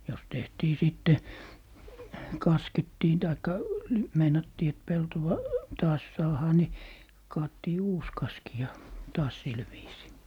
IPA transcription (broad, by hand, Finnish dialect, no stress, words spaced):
jos tehtiː siˑtːe kɑsketːiː tɑikːɑ meinɑtːiː et peltowɑ tɑːs sɑːhɑː ni kɑːtːiː uːs kɑski jɑ tɑːs sil ʋiːsiː